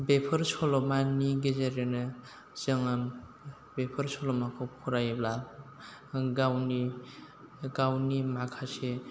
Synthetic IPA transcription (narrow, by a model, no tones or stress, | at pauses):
bepʰɯɾsɔlɔmaniɡezeɾenɯ | z̥ɯŋam | bepʰɯɾsɔlɔmakʰɔpʰuɾajbla | ɡawni | ɡawnimakʰase